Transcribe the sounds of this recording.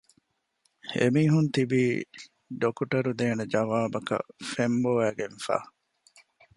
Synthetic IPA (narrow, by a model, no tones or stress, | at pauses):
ḛmiːɦunt̪ibiː | ɖokuʈɐɾud̪eːned͡ʒɐʋaːbɐkɐ̰femboʋæːɡenfa̰ː